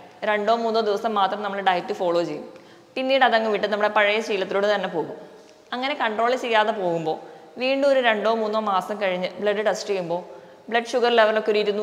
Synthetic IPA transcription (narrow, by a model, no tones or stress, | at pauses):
ɾe̞ɳɖo̞ːmuːnːoːd̪iʋɐsɐmːaːt̪rɐmnɐmːɐɭɖɐjtːɨfo̞ːɭo̞ːt͡ɕe̞junu | ʈinːiːɽɐðɐŋːeʋiʈːɨnɐmːuɽe̞pɐɻɐjɐt͡ɕiːlɐt̪ːiluːɽet̪ɐnːe̞po̞ːɣum | ɐŋːɐne̞kɐɳʈroːɭt͡ɕejːaːðepo̞ːɣumbo̞ːʋiːɳɖuo̞ɾuɾe̞ɳɖo̞ːmuːnːoːmaːsɐmkɐɻiɲːɨbɭɐɖːɨʈɐsʈejumbo̞ː | bɭɐɖɕuɣɐrleʋɐlo̞kːeɾiːɾːunːu